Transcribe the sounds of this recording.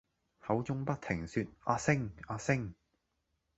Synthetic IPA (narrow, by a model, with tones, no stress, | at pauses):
hɐ˨˥wt͡sʊ˥ŋpɐ˥t̚t̪ʰɪ˨˩ŋsyː˧t̚ʔaː˧sɪ˥ŋaː˧sɪ˥ŋ